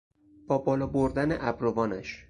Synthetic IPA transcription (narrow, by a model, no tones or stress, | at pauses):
b̥ɒːbɒːlɒːboɾd̪ænḛʔæbɾovɒːnæʃ